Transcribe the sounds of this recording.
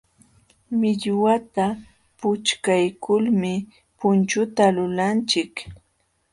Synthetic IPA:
mɪʎwat̪a | pʊt͡ʃkajkʊlmɪ | pʊnt͡ʃʊt̪alʊlant͡ʃɪk

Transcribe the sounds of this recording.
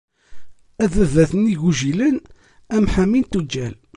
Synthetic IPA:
æðəðæθəniʝuʒilən | æmħæmint̪ud͡ʒːæl

